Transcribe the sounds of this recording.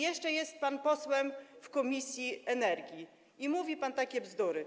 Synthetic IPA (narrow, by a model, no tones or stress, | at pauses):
jɛʂt͡ʂɛjɛst̪̚panpɔswɛmfkɔmʲisʲjiɛnɛɾɡʲji | imuvʲipant̪akʲɛvzd̪uɾɘ